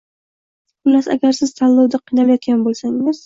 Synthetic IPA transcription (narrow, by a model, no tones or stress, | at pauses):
bɪlasa̰ɡʲaɾsɪz̥t̪ʰalːɒwd̪aqʰijnalajɒt̪kʲanbolˠsaŋɪz̥